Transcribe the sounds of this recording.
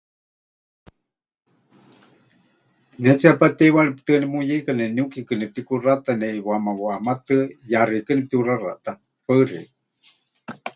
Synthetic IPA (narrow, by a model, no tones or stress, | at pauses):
nɛt͡siapat̪ɛwaɺipt̪ɨnɛmujekanɛniukikɨnɛp̚t̪ikurat̪anɛʔiwamawamat̪ɨjarikɨnip̚t̪iurara̰ʔt̪a | pərḛ